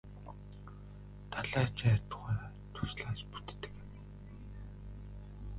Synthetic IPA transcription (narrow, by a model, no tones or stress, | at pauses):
t̪aɮaːt͡ɕæt̪ʊʁaːɾ | t̪ʰʊ̥sɮaːspu̥t̪ːɘ̥̆k